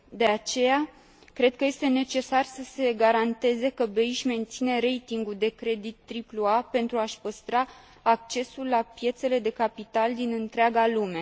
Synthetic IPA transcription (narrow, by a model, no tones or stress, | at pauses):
d̪e̞at͡ʃe̞ja | kɾe̞d̪̚kəje̞st̪e̞ne̞t͡ʃe̞sarsəse̞ɡaɾant̪e̞ze̞kəbe̞iʃme̞nt̪sine̞ɾe̞jt̪iŋɡuld̪e̞kɾe̞d̪it̪ːɾipluape̞nt̪ɾuaʃpəst̪ɾaː | k̚t͡ʃe̞sulːapje̞t̪se̞le̞d̪e̞kapit̪ald̪inɨnt̪ɾeaɡalume̞